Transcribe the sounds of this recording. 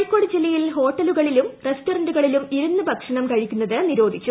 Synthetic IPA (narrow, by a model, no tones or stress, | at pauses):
ɭkːo̞ːɽɨd͡ʑilːɐjilɦo̞ːʈːɐluɣɐɭilumrestoɾɐɳɖuɣɐɭilumiɾunːɨbʱɐkʂɐɳɐmkɐɻikʲːunːɐðɨniɾo̞ːd̪ʱikt͡ɕːu